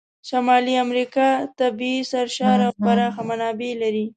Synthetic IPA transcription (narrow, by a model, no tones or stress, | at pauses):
ʃamɑliamɾikɑt̪abisaɾʃɑɾapaɾaxamanɑbelaɾi